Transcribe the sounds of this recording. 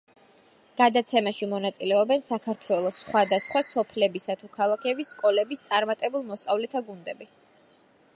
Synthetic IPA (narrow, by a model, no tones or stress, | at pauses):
ɡ̥ad̪at̪sʰɛmaʃimɔnat̪sʼilɛɔbɛnsakʰaɾt̪ʰwɛlˠɔsːχwad̪asχwasɔpʰlɛbisat̪ʰukʰalˠakʰɛbisːkʼɔlɛbist̪sʼaɾmat̪ʼɛbulˠmɔst̪sʼavlɛt̪ʰaɡund̪ɛbi